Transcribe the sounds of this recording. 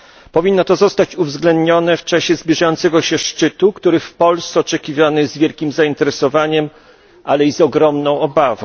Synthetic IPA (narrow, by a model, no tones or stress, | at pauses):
pɔvʲinːɔt̪ɔzɔst̪at͡ɕuvzɡlɛnd̪ɲɔnɛft͡ʂaɕɛzbʲjiʐajɔnt̪sɛɡɔɕɛʂt͡ʂɘt̪ukt̪uɾɘfpɔlssɛɔt͡ʂɛkʲivʲanɘzvʲjɛlkʲimzaint̪ɛɾɛsɔvaɲɛm | ʔalɛizɔɡɾɔmnɔ̃w̃ɔbavɔ̃w̃